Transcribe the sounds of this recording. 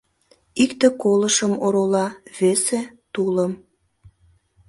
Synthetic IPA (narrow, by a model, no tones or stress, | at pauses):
ikt̪ekoləʃəmoɾolɑβeset̪uləm